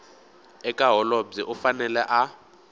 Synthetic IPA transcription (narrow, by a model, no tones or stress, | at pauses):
ɛkʼaɦɔlɔbb͡ʐiʔʊfanɛlɛʔa